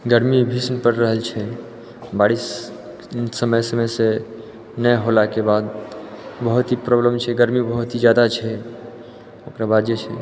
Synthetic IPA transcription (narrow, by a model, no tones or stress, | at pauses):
ɡəɾmibʱisnpəɾːəɦəlt͡ʃʰɛ | baɽisː | əməjsəmese | nəɦolakebad̪ | bəɦut̪ipɾɔbləmt͡ʃʰɛɡəɾmibəɦut̪id͡ʒad̪at͡ʃʰɛ | okɾabad̪jət͡ʃʰɛ